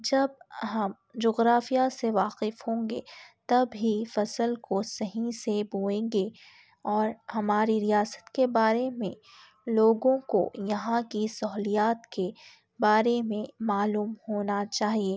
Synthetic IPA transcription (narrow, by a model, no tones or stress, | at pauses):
d͡ʒɐb̚ɦɐm | d͡ʒoːɣɾaːfijaseʋaːqɪfhõːŋɡḛːt̪ɐbɦifɐsəlkosɐɦĩsebuːẽːŋɡe | ɔːɾhɐmaːɾiɾijaːsə̥t̪kebaːɾemḛ̃ | loːɡõko̰jɐɦãkisɐɦlijaːt̪ke | baːɾemẽmaːluːmhoːnat͡ʃaːɦieː